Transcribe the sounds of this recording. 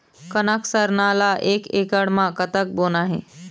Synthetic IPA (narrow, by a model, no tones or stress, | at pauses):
kənaksəɾnalaʔekekəɽmãkət̪ək̚boːnaɦḛ